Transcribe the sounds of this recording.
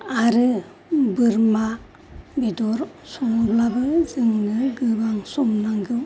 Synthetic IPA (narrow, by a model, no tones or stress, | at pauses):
aɾɯ | bɯɾma | bedɔɾ | sɔŋuɾlabɯzɯŋnɯɡɯbaŋsɔmnaŋɡɯ